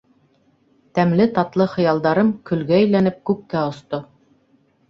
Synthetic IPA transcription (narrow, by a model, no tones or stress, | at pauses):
t̪æmlɘt̪ɑt̪lˠɤχɤ̆jɑlˠd̪ɑɾɤmkɵ̆lɡæːjlænɘp̚kʉp̚kæŏst̪o